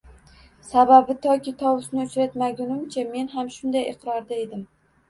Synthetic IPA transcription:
sababɪt̪ʰɒkʲɪt̪ʰɒwʊsnɪʊt͡ʃɾat̪maɡʲʊnɪmt͡ʃʰame̞nɦamʃʊnd̪ajɪqɾɒɾd̪ae̞d̪ɪm

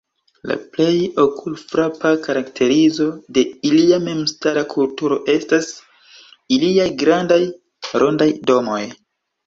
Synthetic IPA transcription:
la̰ple̞jo̞kʰulfɾapakaɾaktʰe̞ɾizo̞de̞iliame̞mstaɾakʰultuɾo̞ʔe̞stas | iliajɡɾandaj | ɾo̞ndajdo̞mo̞j

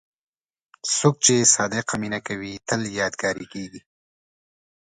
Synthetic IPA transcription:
sok̚t͡ʃesɑːd̪eqaminakawit̪əljɑːd̪ɡɑːɾikeɡi

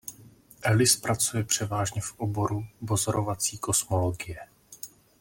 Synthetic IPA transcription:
ʔɛlɪspɾat͡sujɛpr̝̥ɛvaːʒɲɛfʔobo̞ɾubozoɾovat͡siːko̞smo̞loɡɪjɛ

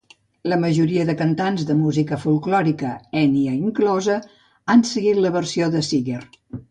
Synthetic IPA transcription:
ləməʒuɾiəðəkənt̪anzðəmuzikəfulˠklɔɾikəɛniəiŋklɔzə | ansəɣit̪ləβərsioðəsiɣer

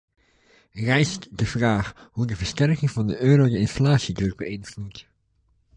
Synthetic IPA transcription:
rɛjstdəv̥raːxhudəvəɹstɛrkɪŋvɑndəʔøːɾodəɪnflaːsidrɵk̚bəɪnflut

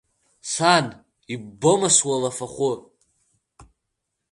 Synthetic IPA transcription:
san | ibomaswalafaχʷʊ

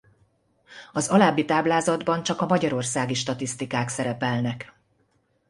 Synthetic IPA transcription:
ɒzɒlaːbːit̪aːblaːzɒd̪bɒnt͡ʃɒkɒmɒɟɒɾo̞rsaːɡiʃt̪ɒt̪ist̪ikaːksɛɾɛpɛlnɛk

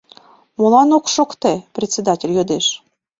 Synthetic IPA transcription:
molˠɑnokʃokt̪eprʲet̪ʲsʲed̪ɑtʲelʲjod̪eʃ

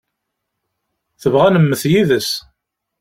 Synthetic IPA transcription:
θəvʁænəmːəθjiðəs

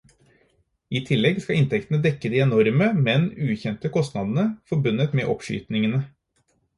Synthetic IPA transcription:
iːt̪ʰɪlːɛɡskɑɪnt̪ʰɛkt̪ənəd̪ɛkːəd̪iːɛnɔɾməmɛnʉːçɛnt̪əkʰɔst̪nɑd̪ən̩əfɔɾbʉnːət̪mḛːʔɔpʂy̰ːt̪nɪŋənə

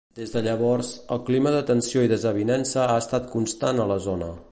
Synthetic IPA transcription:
d̪ezðəʎəβɔɾzəlˠkliməðət̪ənsioiðəzəβinɛnsəaəst̪at̪̚kunst̪anələzonə

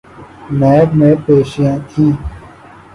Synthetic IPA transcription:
naːəbmẽːpeːʃɪjãːt̪ʰĩː

